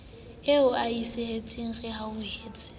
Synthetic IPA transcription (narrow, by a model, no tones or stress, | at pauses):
eʊaisɪhet͡sʼɪŋ̩rɪɦaʊheːt͡sʼɪ̥